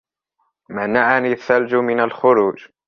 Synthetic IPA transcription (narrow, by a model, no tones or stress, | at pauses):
manaʕaniθːald͡ʒʊmɪnalxʊɾuːd͡ʒ